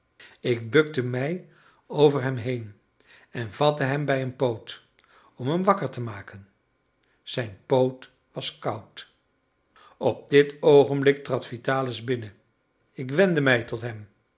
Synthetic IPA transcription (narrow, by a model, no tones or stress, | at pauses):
ɪk̚bɵk̚təmɛj | owvəɹɦɛmɦejn | ɛnvɑtəɦɛmbɛjənpowt | ɔmɦəmʋɑkəɹtəmaːkən | z̥ɛjnpowt | ʋɑskɑwt | ɔp̚dɪtowχənblɪk̚trɑtfitaːləzbɪnə | ɪkʋɛndəmɛjtɔtɦɛm